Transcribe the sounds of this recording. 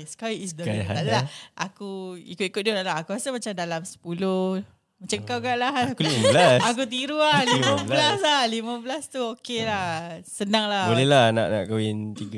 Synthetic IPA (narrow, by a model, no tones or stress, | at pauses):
sə̥kawiisd̪əaɦalaʔakuḭkʊt̪ikʊt̪̚dulaʔlaɦakuasamat͡ʃamdalamsə̥pulo | mat͡ʃaŋkawkaʔlahakuliməblasak̬ut̪̬iɾuahlimãbəlaslahlimə̃bəlast̪uokelahsənaŋlahbolɛlahana̰ʔna̰ʔkawint̪iɡa